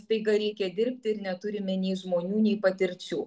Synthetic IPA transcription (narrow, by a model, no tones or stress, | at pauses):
t̪ɐɪɡɐɾʲɛɪkʲɛd̪ʲɪɾʲpʲt̪ʲɪɪɾnʲɛt̪ʊɾʲɪmʲɪnʲɛɪʒmoːnʲuːnʲɛɪpɐt̪ʲɪɾʲt͡ʃʲuː